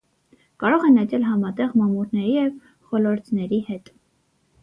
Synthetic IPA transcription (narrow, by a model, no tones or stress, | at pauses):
kɑɾɔʁɛnɛt̪ɛlɦɑmɑt̪ɛʁmɑmuɾnɛɾijɛv | χɔlɔɾt̪ʰnɛɾihɛt̪